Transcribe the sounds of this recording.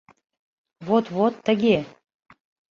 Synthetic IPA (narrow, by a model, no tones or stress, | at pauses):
vot̪vot̪ʰːə̆ɡʲe